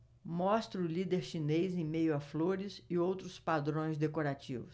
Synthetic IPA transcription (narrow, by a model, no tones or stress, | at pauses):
mɔst̪ɾʊlid̪eɾʃinejzẽj̃mejʊafloɾɪzɪowt̪ɾʊspad̪ɾõj̃zd̪ekoɾat͡ʃḭvʊs